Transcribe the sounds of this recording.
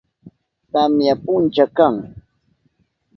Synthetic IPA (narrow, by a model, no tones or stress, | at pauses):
t̪amjapʊnt͡ʃakaŋ